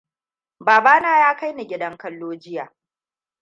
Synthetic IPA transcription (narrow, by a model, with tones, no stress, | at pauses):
baː˨baː˦naː˦jaː˦ka˦jni˨ɡʲɪ˦dɐ˦ŋkɐ˦lːoː˦d͡ʒɪ˦jaː˨